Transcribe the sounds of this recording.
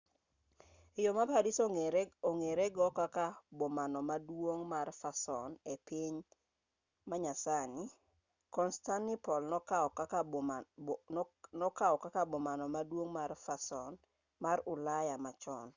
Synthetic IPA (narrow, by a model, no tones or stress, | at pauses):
jomapadisooŋeɾeɡɔkakabomanɔmadwoŋmarfasɔnepiɲ | maɲasani | kɔnstanːɪpɔlnɔkaɔa | nɔkaɔkakabɔmanɔmadwoŋmarfasɔn | maɾʊlajamat͡ʃɔn